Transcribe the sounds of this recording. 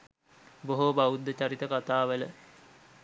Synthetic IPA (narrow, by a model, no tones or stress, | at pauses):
boɦobaud̪ːət͡ɕaɾit̪əkat̪aːʋələ